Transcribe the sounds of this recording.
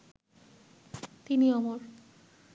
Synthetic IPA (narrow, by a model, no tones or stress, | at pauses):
t̪iniɔmoɾ